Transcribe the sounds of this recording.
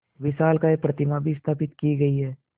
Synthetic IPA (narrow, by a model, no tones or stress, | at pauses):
ʋɪʃaːlkaeːpɾɐt̪ɪmabʱist̪ʰaːpɪt̪kiɡɐiɦɛː